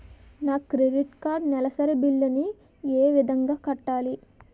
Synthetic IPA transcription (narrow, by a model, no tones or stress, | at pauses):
naːkːɾeɖiʈkaːɾnɛlɐsɐɾebilːɐni | eːʋid̪ɐŋɡaːkɐʈːaːli